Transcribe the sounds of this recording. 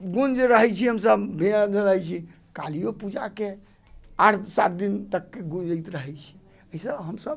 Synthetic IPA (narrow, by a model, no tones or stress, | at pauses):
ɡund͡ʒɾəɦɛt͡ʃʰiɦəmsəbbʱend͡ʒələɦjt͡ʃʰi | kalijopud͡ʒake | aʈʰsat̪̚d̪int̪əkːeɡũd͡ʒət̪ɾəɦɛt͡ʃʰi̥ | əɦisəbɦəmsəb